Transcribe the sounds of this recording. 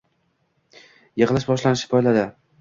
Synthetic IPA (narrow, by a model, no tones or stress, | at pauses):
jɨʁɨlˠɪʃbɒʃlanɪʃɪ̥pʰɒjlad̪ɪ